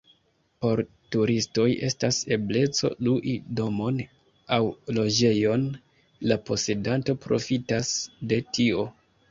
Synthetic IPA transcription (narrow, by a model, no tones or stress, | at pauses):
po̞ɾ | tuɾisto̞je̞stase̞ble̞t͡so̞̰luʔido̞mo̞n | awlo̞d͡ʒe̞jo̞n | lapo̞se̞danto̞pɾo̞̰fitasde̞tio̞